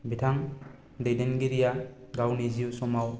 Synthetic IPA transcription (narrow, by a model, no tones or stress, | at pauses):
bitʰaŋ | dejdenɡiɾijaɡawniziusɔmaw